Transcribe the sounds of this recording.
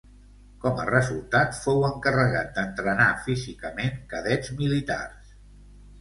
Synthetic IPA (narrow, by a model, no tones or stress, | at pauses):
kɔmə̰rəzulˠt̪at̪fowəŋkərəɣa̰t̪̚d̪ənt̪ɾənafizikəmeŋkəðɛd͡zmilit̪a̰rs